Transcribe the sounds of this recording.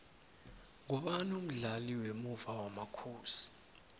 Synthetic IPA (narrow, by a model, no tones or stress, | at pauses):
ŋɔɓanum̩ɮaliwemuvawamakʰuːsi̥